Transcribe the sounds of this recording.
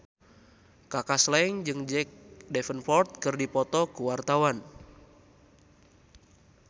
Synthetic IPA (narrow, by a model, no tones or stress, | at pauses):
kakaslɛŋd͡ʒɨŋd͡ʒɛk̚dɛfənfɔrt̪̚kərdipɔt̪ɔkuwart̪awan